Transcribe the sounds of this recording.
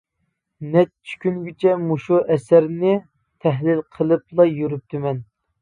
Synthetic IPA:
nɛt͡ʃt͡ʃʰy̥kʲynɡʲit͡ʃʰɛmuʃuʔɛsæɾnɪ | t̪ʰɛɦlɪlqʰəlˠɨplˠɑjyɾyp̚t̪ʰymɛn

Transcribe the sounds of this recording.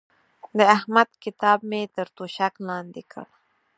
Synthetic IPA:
d̪əahmad̪kɪt̪ɑb̚met̪əɾt̪oʃaklɑnd̪ekʰə̰ɽ

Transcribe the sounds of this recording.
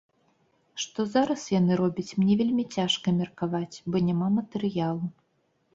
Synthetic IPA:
ʂt̪ɔzaɾɐsjanɨɾɔbʲɐt͡sʲmnʲɛvʲelʲmʲit͡sʲaʂkɐmʲɛrkavat͡sʲbɔnʲɛmamɐt̪ɛɾɨjalˠu

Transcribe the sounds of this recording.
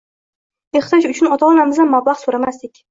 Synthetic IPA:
eχt̪ʰɒd͡ʒʊt͡ʃʰʊnɒt̪ʰaɒnamɪzd̪anmːablˠaχsoɾamast̪ɪkʲ

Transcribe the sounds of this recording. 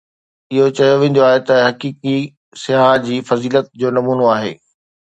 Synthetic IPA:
ɪɦot͡ɕɐjoʋẽːnd̪joaːɦet̪ɐɦɐkiːki | sɪjaːɦd͡ʑiːfɐziːlət̪̚d͡ʑoːnɐmuːnoaːɦḛː

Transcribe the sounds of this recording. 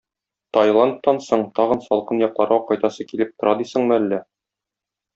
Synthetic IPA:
t̪ɒjlˠɑnt̪ːɑnsoɴt̪ɒʁɤnsɒlˠqɤnjɒqlˠɑɾʁɑqɒjt̪ɑsɤkilɘp̚t̪ŏɾʔɑd̪isɤ̆ɴmɘ̆ælːæ

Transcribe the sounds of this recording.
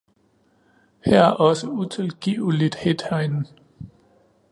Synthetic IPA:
hæɐ̰æɐʔɒ̽səut͡sʰe̝lɡ̥ḭːʊlid̥hed̥hæɪnn̩

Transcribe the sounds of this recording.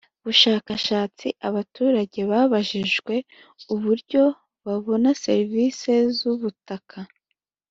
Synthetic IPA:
βuʃaːkaʃaːt͡siʔaβatuːɾaɟe̞βaːβaʒiʒɡwe̞ | uβuɾɟo̞ | βaβo̞nase̞ɾviːse̞zuβutakʰa

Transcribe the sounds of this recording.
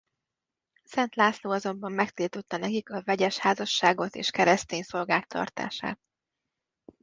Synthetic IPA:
sɛnt̪laːsloːɒzo̞mbɒmːɛkt̪ilt̪ot̪ːɒnɛkikɒvɛɟɛʃhaːzɒʃːaːɡo̞t̪ḛːʃkɛɾɛst̪eːɲso̞lɡaːk̚t̪ʰɒ̰rt̪a̰ːʃa̰ːt̪̚

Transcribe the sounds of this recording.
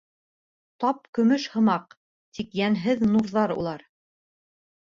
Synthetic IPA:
t̪ɑp̚kɵ̆mɵʃhɤ̆mɑq | t̪ʰikjænɦɘðnuɾðɑɾṵlˠɑɾ

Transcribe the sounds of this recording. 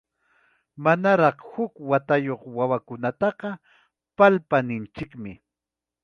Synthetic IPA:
manaɾɑχhʊkwat̪ajoχwawakʊnat̪ɑqɑ | palpanɪnt͡ʃɪkmɪ

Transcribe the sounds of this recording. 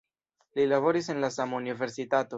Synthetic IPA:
lilavoɾisenlasamunive̞ɾsit̪at̪o

